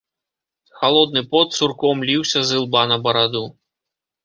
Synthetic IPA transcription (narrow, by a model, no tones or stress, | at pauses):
xalˠɔd̪̚nɨpɔt̪surkɔmlʲiwsʲɐzɨlˠbanɐbɐɾad̪u